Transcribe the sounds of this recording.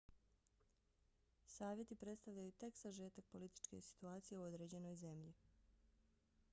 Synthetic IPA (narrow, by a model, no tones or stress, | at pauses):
saːʋje̞t̪ipɾe̞t̪st̪aʋʎajut̪e̞ksaʒe̞ːt̪ak̚po̞lit̪i̥t͡ʃke̞̰si̥t̪uaːt̪sije̞uo̞d̪ɾe̞ːd͡ʑe̞no̞jze̞mʎi